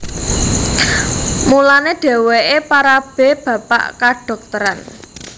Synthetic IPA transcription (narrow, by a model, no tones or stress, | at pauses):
mulaneɖ̥ɛ̤weʔepaɾab̥e̤b̥a̤pa̰ʔkaɖ̥ɔ̤k̚t̪əɾan